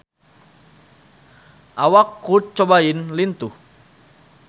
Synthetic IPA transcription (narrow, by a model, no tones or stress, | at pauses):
ʔawakːut͡ʃobainlint̪u